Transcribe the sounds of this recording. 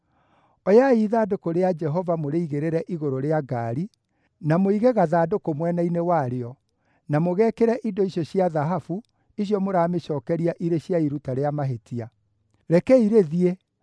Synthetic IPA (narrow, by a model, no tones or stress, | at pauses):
ɔjaiðaːdokoɾead͡ʒɛɦɔvamoɾeiɣeɾeɾɛʔiɣoɾoɾeaɡaːɾi | namoiɣeɣaðaːdokomwɛnainewaɾeɔ | namoɣɛːkeɾɛʔidɔiɕjɔɕiaðaɦafu | iɕjɔmoɾaːmeɕɔːkɛɾiaʔiɾeɕjaiɾutaɾeamaɦetia | ɾɛkɛiɾeðie